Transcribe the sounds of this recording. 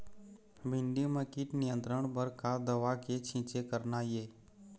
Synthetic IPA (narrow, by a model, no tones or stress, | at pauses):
bɪ̃nɖ̪iməkiʈnɪjə̃nt̪ɾəɳ̃bəɾkad̪əʋaket͡ʃʰĩːt͡ʃekəɾnajeː